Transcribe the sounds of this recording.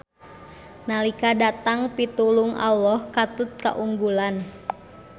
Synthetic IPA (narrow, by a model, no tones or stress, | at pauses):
nalikadat̪aŋpit̪ulʊŋa̰lːɔhkat̪ʊt̪̚ka̰ʔuŋɡulan